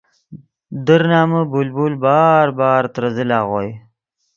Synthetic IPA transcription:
d̪əɾnɑːməbolbolbɑːɾbɑːɾt̪ɾəzɪlɑɣoj

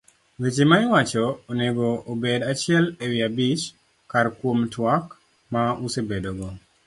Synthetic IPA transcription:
wet͡ʃemaɪwat͡ʃɔːneɡoobedat͡ʃɪɛlewiabit͡ʃ | karkwomtwak | mausebedoɡɔ

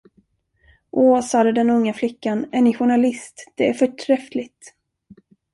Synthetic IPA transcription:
ʔɔːsɑːd̪əd̪ɛnɵŋːaflɪkːanæɳɪɧʊɳalɪst̪d̪̥ɛæɾfœʈʰɾɛflɪt̪

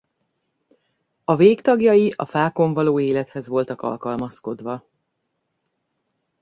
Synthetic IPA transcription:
ɒveːkt̪ɒɡjɒjiʔɒ̰faːko̞ɱvɒloːeːlɛt̪hɛzʋo̞lt̪ɒkɒ̰lkɒlmɒsko̞d̪vɒ

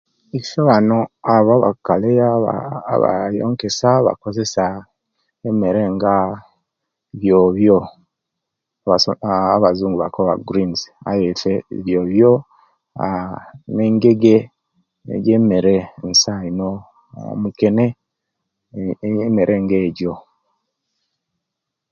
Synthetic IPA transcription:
iʃoβano̞aβaβa̰kaleaβa̰βa̰jo̰ːŋke̞saβa̰ko̞ze̞sa | emeɾeŋɡa | βjoβjo | βaaβazuːŋɡuβakoβaɡuɾinza̰jefeβjoβjo | aneːŋɡeɡe | ḛɟeːmeɾensaino̰ | muke̞ne | meɾʔe̞ːŋɡeːɟo̞

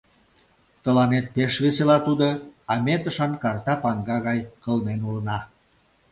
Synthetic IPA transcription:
t̪əlɑnet̪̚peʃβeselɑt̪ud̪oɑmet̪ə̆ʃɑnkɑrt̪ɑpɑŋɡɑɣɑjkə̆lnenulənɑ

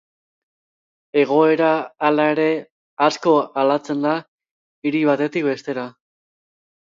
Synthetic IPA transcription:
e̞ɣ̞o̞e̞ɾaːlae̞ɾe̞ | asko̞alat͡se̞nd̪a | iɾiβ̞at̪e̞t̪ik̚be̞st̪e̞ɾa

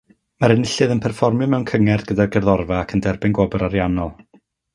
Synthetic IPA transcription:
maɾənɪɬɨðənpʰɛrfɔrmjɔmɛwnkʰəŋɛrdɡədarɡɛrðɔrvaːkʰəndɛrbɪnɡwɔbʊɾaɾjanɔlˠ

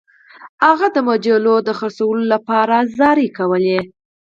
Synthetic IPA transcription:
haɣad̪əmad͡ʒalod̪əxəɾsawəlolapɑɾazɑɾikawəle

